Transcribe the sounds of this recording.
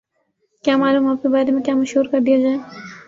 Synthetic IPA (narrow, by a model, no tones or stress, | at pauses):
kʲjaːmaːluːmaːp̚kebaːɾemẽkʲjaːmɐʃɦuːɾkɐɾd̪ijad͡ʒaːe